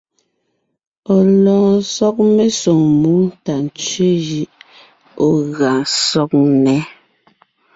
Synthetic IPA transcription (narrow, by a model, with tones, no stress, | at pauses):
ɔ˨lɔ̃ː˨sɔ˦k̚me˦so˨ŋmu˨˦ta˨n˨t͡ʃɥe˦ji˦ʔ | o˨ɣa˨sɔ˦k̚nɛ˨˦